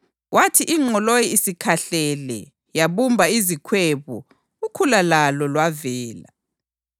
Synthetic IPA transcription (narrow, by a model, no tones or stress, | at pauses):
wʔatʰiʔiŋ͡ǀʱɔlojiisikʰaɬɛlɛ̰ | jaβumbʱaizikʰweβɔ̰ | ukʰulalalɔlwavɛːla̰